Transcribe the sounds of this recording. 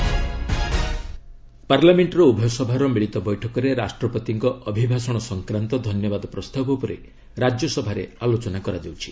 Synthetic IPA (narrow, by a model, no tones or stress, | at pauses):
paɾlameɳʈɾɔubʱɔsɔbʱaɾɔmiɭit̪ɔbɔjʈʰɔkɔɾeɾasʈɾɔpɔt̪iŋkɔʔɔbʱibʱasɔɽ̃ɔsɔŋkɾant̪ɔd̪ʱɔnjɔbad̪ɔpɾɔst̪abɔpɔɾe | ɾad͡ʒjɔsɔbʱaɾḛalot͡ʃɔnakɔɾad͡ʒawt͡ʃʰi̥